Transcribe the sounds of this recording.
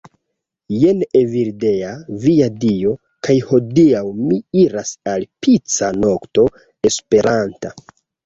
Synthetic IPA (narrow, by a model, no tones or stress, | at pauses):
jeneviɾdeaviadio̞ | kajho̞diawmiiɾasalpit͡sano̞kto̞ | e̞spe̞ɾʔanta